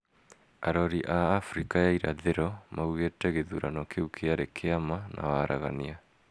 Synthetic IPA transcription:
aɾɔɾiʔaːfɾikajaiɾa̰ðeɾɔmauɣetɛɣeðuɾanɔkʰeukʰeaɾekʰeamanʔa̰waɾaɣa̰nia

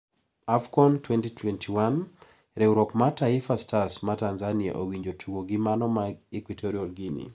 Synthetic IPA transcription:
afkɔntwɛntitʰwɛntʰiwan | ɾeuɾɔkmataifastasmatanzania̰ʔowiɲd͡ʒotʰuɡoɡimanɔmaikwitʰɔɾiɔlɡinḭ

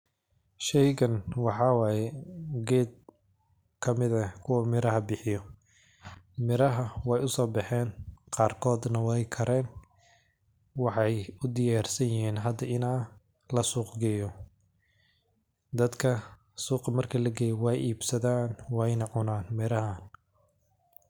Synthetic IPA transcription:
ʃɛjɣɐnwɑħɑwɑːjɛɡɛːd̪̚ | kʰɐmɪðɐkʰʊwɐmɪɾɐɦɐbɪħɪjɔ | mɪɾɐɦɐwɛjʊsɔːbɑħɛːnqɑːrkʰɔːd̪nɐwɛjkʰɐɾɛːn | wɑħɑjʊd̪ɪjaːrsɐjjɪɦiːnɦɐd̪ɐʔɪnaː | lɐsuːqɡɛjɔ | d̪ɐd̪kʰɐ | suːqɐmɐrkʰɐlɐɡɛjɔwɑːjʔiːbsɐðaːnwɑjnɐʕʊnaːnmɪɾɐɦan

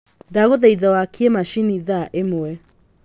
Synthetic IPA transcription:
daɣoðaiðawakʰiemaʃiniðaʔemoɛ

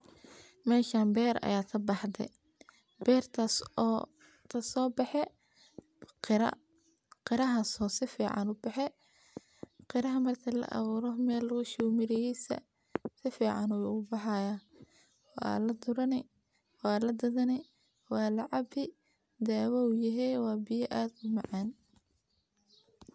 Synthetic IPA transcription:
mɛːʃaːmbɛːɾɐ̰jaːk̪ʰɐbɑħd̪ɛ̰ | bɛːrt̪ʰasɔː | t̪ʰɐsɔːbɑħɛ | ɾɐ̰ | qɪɾɐɦɐsɔːsɪfiːʕɑ̰nʊbɑħɛ | qɪɾɐɦɐmɐrt̪ʰɐlɐ̰ʔɐ̰βuːɾɔmɛːlːʊɣʊʃumɪɾɛjɛsɐ̰ | sɪfiːʕɑnʊwʊbɑħɑːjaː | wɑ̰ːlɐd̪ʊɾɐnɛ | wɑːlɐd̪ɐðɐnɛ | wɑːlɑʕɑbɪ | d̪ɛːwɐʊjɐɦɛwɑːbɪjɐʔaːd̪ʊmɑʕɑːn

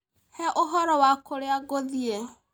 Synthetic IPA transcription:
hɛʔoɦɔɾɔwakoɾeaɡoðie

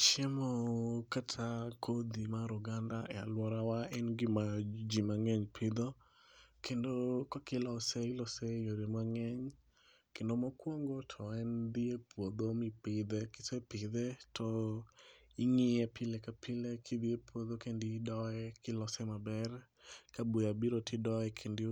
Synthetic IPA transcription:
t͡ʃɛmokatʰakʰod̪imaɾʊɡandaʔɛa̰lwɔɾawaɛnɡɪmad͡ʒimaŋɛɲpʰɪd̪o | kʰendokɔkɪlɔsɛɪlɔsɛjoɾemaŋɛɲ | kendomɔkwoŋɡotʰɔɛnd̪iepʰwod̪omɪpɪd̪ɛkɪsɛpɪd̪ɛtʰɔ | ɪŋɪɛpʰɪlɛkapʰɪlɛkʰɪd̪iepʰwod̪okendɪdɔɛkɪlɔsɛmabɛr | kabujabiɾotʰɪdɔɛkʰendɪ

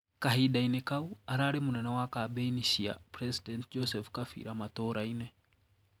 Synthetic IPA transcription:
kaɦiɗainɛkauaɾaɾemunɛnɛwakabɛiniʃia̰pɾɛsidɛntd͡ʒɔsɛfkafḭɾamat̪ɔɾainɛ

